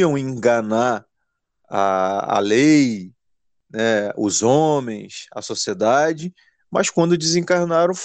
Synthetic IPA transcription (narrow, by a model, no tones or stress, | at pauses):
ɐ̃w̃ẽŋɡanaɾ | a̰a̰lej | nɛʊ̰zõmẽj̃sɐ̰sosied̪ad͡ʒɪ | mɐskwɐ̃nd̪ʊd͡ʒɪzẽŋkaɾnaɾɐ̃w̃f